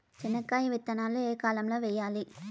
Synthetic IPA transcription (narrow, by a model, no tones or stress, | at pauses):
t͡ʃɪnɐkːaːjiʋɪt̪ːɐnaːloeːkaːlɐmloːʋɛjːaːli